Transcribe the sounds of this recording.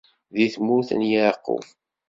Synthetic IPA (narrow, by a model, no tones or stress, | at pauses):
ðiθmuθə̰njəqːʊ̰f